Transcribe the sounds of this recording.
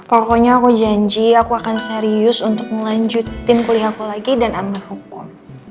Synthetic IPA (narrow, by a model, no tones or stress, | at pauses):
pokɔɲaːkud͡ʒaɲd͡ʒiakuakanseɾiʊsunt̪ʊk̚məlaɲd͡ʒut̪ɪnkulihakulaɡidanamihukʊm